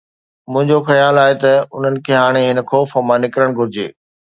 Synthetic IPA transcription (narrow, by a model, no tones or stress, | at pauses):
mʊ̃ɦɪ̃ɲd͡ʑoxɐjaːlaːɦet̪ɐʊn̤ənɪ̆kʰeːɦaːɽ̃eɦɪnəxɔːfɐmãnɪkɾəɽ̃ɡʱʊɾɪd͡ʑḛː